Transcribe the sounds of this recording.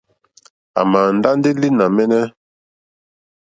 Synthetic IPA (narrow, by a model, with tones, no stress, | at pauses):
a̰˨ma˨n̩˨da˦n˦di˦li˦na˨mɛ˦nɛ˦